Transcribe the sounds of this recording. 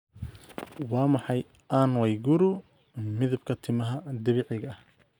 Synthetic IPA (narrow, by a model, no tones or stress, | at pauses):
wɑːmɑħɑj | ʔanwɛjɡʊɾʊ | mɪðɪbkʰɐt̪ʰɪmɐɦɐd̪ɪβɪʕɪɣɐɐh